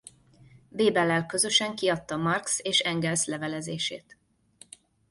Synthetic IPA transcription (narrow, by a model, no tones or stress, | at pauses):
beːbɛlːɛlkø̞zø̞ʃɛŋkiɒt̪ːɒmɒrkseːʃɛŋɡɛlslɛvɛlɛzeːʃḛːt̪